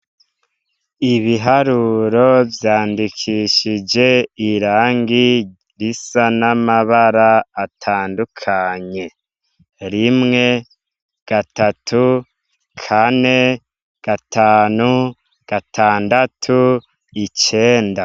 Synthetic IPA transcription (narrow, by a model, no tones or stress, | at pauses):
iβiɦaɾuːɾo̞vjaːndikʰiʃid͡ʒe̞iɾaːŋɡi | ɾisanamaβaɾaːtʰaːndukʰaɲe̞ | ɾimŋe̞ | ɡ̥atatʰu | kʰane̞ | ɡ̥atʰaːnu | ɡ̥atʰaːndatʰu | it͡ʃe̞ːnda